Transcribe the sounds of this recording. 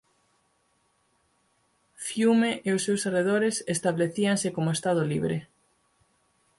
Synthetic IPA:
fjumeʔeʊsːewsereðoɾesest̪aβleθiaŋsɪkomʊest̪að̞ʊliβɾe

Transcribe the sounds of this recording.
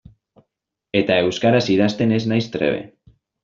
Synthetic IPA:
et̪aewskaɾasið̞ast̪eneznajst̪ɾḛβ̞ḛ

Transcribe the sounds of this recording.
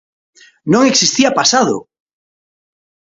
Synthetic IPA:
nõŋeksist̪iapasaðo̰

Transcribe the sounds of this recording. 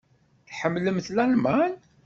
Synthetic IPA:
θħəmːləmθlænmæn

